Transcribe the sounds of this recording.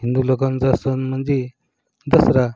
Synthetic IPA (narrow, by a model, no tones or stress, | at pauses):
ɦind̪ulokand͡zasənm̤ənd͡ze | d͡z̪əsɾa